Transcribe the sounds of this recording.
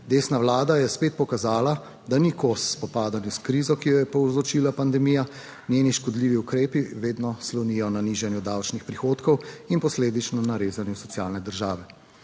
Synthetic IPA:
d̪eːsnawlaːd̪ajɛspeːt̪̚pɔkazaːla | d̪anikosspɔpaːd̪anjuskɾiːzɔkijɔjɛpɔwzɔt͡ʃiːlapand̪ɛmiːja | nʲjeniʃkɔd̪liːʋiukɾeːpiʋeːd̪nɔslɔnijɔnaniʒɛnjud̪awt͡ʃnixpɾixoːt̪kɔwinpɔsleːd̪it͡ʃnɔnaɾeːzanjusɔt̪sjaːlnɛd̪əɾʒaːʋɛ

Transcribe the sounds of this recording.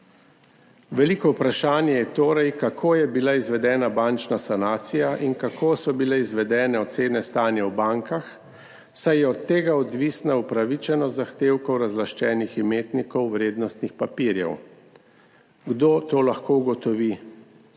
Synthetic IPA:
ʋɛlikɔupɾaʃaːnjɛjɛt̪oːɾajkakʰoːjɛbilaizʋɛd̪ɛːnabant͡ʃnasanaːt̪sijaʔinkakʰoːsɔbilɛizʋɛd̪ɛːnɛɔt̪seːnɛst̪aːnjɛwbaŋkax | sajjɛɔt̪ːeːɡaɔd̪ʋiːsnaupɾaʋit͡ʃɛnɔzaxt̪eːwkɔwɾazlaʃt͡ʃɛːniximeːt̪nikɔwʋɾeːd̪nɔst̪nixpapiːɾjɛ̰w | ɡd̪oːt̪oːlaxkouɡɔt̪ɔʋi

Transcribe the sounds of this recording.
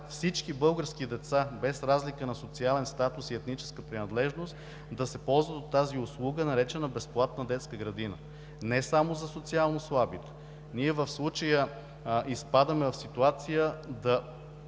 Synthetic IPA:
fsit͡ʃkibɤlˠɡəɾsk̟id̪ɛt̪sabɛsɾazlikənɐsot̪sialɛnst̪at̪usiɛt̪nit͡ʃɛ̥skəpɾinɐd̪lɛʒnost̪ | d̪ɐsɛpɔlˠzvət̪ot̪ːaziʊslˠuɡənɐɾɛt͡ʃɛnəbɛsplˠat̪nəd̪ɛt̪skəɡɾɐd̪inə̰ | nɛsamozɐsot̪sialˠnoslˠabit̪ɛ̥ | niɛvəfslˠut͡ʃəjə | ʔispad̪əmɛvɐfsit̪uat̪sijəd̪ɐ

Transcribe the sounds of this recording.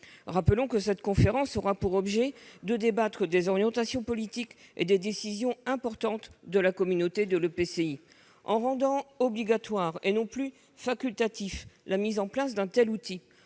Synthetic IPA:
ʁapəlɔ̃kəsɛt̪kɔ̃feʁɑ̃sɔʁapuʁɔbʒɛd̪əd̪ebat̪χəd̪ezɔʁjɑ̃t̪asjɔ̃pɔlit̪ikḛd̪ed̪esizjɔ̃ɛ̃pɔʁt̪ɑ̃t̪d̪əlakɔmynot̪ed̪ələpesei | ɑ̃ʁɑ̃d̪ɑ̃ɔbliɡat̪waʁenɔ̃ply | fakʲylt̪at̪iflʔamizɑ̃plas̬d̪ɛ̃t̪ɛlut̪i

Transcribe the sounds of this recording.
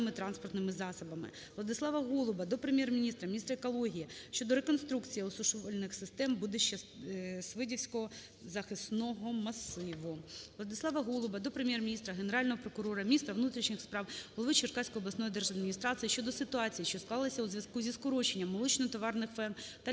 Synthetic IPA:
ɪmɪt̪ɾɑnspɔrt̪nɪmɪzɑsɐbɐmɪ̰ | ʋlˠɐd̪ɪslˠɑʋɐɦulˠʊbɐd̪ɔpɾemʲjɛrmʲinʲist̪ɾɐmʲinʲist̪ɾɐekɔlˠɔɦʲijiʃt͡ʃɔd̪ɔɾekɔnst̪ɾukt͡sʲijiɔsʊʃɔʋɔlʲnɪxsɪst̪ɛmbud̪ɪʃt͡ʃːɐsʋɪdʲiwsʲkɔɦɔ | zɐxɪsnɔɦɔmɐsɪʋʊʋlˠɐd̪ɪslˠɑʋɐɦulˠʊbɐd̪ɔpɾemʲjɛrmʲinʲist̪ɾɐɦeneɾɑlʲnɔɦɔpɾɔkʊɾɔɾɐmʲnʲist̪ɾɐʋnut̪ɾʲiʃnʲɪxspɾɑwɦɔlˠɔʋɪt͡ʃɪrkɑsʲkɔjɔblˠɐsnɔjid̪ɛrʒɐd̪mʲinʲist̪ɾɑt͡s̪ʲɨjiʃʲt͡ʃɔd̪ɔsɪt̪ʊɑt͡sʲijiʃt͡ʃɔsklˠɑlˠɐsʲɐuzʲʋʲjɐskuzʲiskʊɾɔt͡ʃenʲːɐmːɔlˠɔt͡ʃnɔt̪ɔʋɑrnɪxʋɛnt̪ɐ

